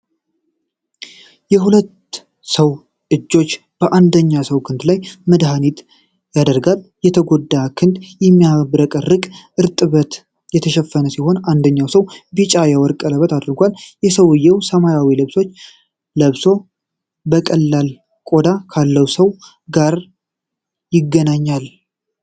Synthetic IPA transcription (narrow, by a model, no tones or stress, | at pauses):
jɛɦulət̪ː | səw | ʔɨd͡ʒːo̞t͡ʃː | b̥əʔand̪əɲːasəwkʰɨnd̪lajməd̪ɦanit̪ | jad̪əɾɡaljɛt̪ʰəɡo̞d̪ːakʰɨnd̪jɛmːijabɨɾəkʼərːɨkʼʔɨɾt̪ʼɨβət̪ | jɛt̪ʰəʃɛfːənəsiho̞nand̪əɲːawsəwbit͡ʃʼajɛwɔɾkʼələβət̪ʰad̪ɨɾɡʷaljɛsəwɨjːɛwsəmajawilɨβso̞t͡ʃː | ləβso̞ | bəkʼəlːal | kʼo̞d̪akʰalːəwsəw | ɡaɾ | jɪɡːənaɲːal